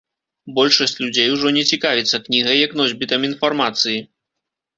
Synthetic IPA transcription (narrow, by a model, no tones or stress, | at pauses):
bɔlʲʂɐsʲt͡sʲlʲud͡zʲejwuʐɔnʲɛt͡sʲikavʲit̪sːɐknʲiɣɐjɐknɔzʲbʲit̪ɐminfarmat̪sɨji